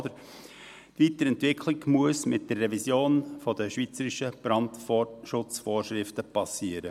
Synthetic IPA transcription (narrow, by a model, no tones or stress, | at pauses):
d̥̪əɾ | tʋit̪əɾɛntʋɪkʰlɪɡmuəsmɪt̚d̥ərːɛvisjoːnfɔd̪əʃʋit͡səɾiʃəb̥ɾɑntʃʊt͡sfoːɾʃɾɪftəpɑsiːəɾə